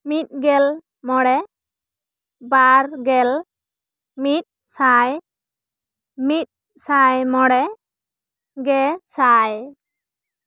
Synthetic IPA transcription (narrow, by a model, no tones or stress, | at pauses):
mit̪̚ɡɛl | mɔɽɛ | baɾɡɛl | mit̪̚ | saj | mit̚ | sajmɔɽɛ | ɡɛsaj